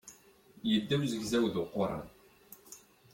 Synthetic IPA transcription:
jəd̪ːæwzəʝzæwðoqːʊɾˤɑ̰n

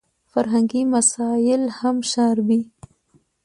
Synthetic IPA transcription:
faɾɦaŋɡimasɑjɪlhamʃaɾbi

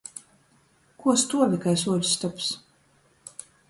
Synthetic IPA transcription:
kuɔst̪uɔvʲikajs̬uɔlʲust̪aps

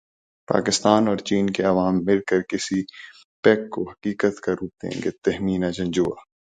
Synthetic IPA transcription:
pa̰ːkɪst̪aːnɔːɾt͡ʃiːnkeɐʋaːmːɪlkəɾkɪsi | pɛːkːoɦɐkiːkət̪kaɾuːd̪ḛ̃ːŋɡet̪ɛɦmiːnad͡ʒɐ̃ɲd͡ʒuːa̰ː

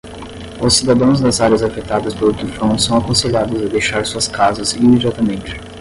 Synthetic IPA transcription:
ʊsːid̪ad̪ɐ̃w̃zd̪ɐzaɾʲiɐzafet̪ad̪ɐspelʊt̪ufɾɐ̃w̃sɐ̃w̃akõseʎad̪ʊzɐd̪ejʃaɾsuɐskazɐzimed͡ʒiat̪ɐmẽnt͡ʃɪ̥

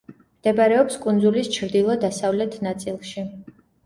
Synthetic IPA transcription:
md̪̥ɛbaɾɛɔpskʼund̪zulist͡ʃʰɾd̪ilˠɔd̪asavlɛt̪ʰnat̪sʼilˠʃi

